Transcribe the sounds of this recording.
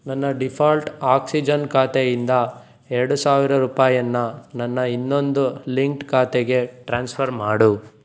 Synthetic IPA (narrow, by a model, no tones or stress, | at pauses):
nɐnːɐɖipʰaːlʈaːksid͡ʒɐnkaːt̪ejind̪ɐ | eɾɐɽusaːʋiɾɐɾuːpaːjɐnːɐnɐnːɐinːo̞nd̪uliŋk̚ʈkaːt̪eɡe̞ʈɾaːnspʰɐɾmaːɽu